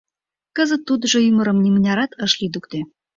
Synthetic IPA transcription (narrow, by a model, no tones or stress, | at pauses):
kəzə̆t̪ːud̪ʒoymə̆ɾɤ̆mnʲimənʲɑɾɑt̪ɤʃlid̪uk̚t̪e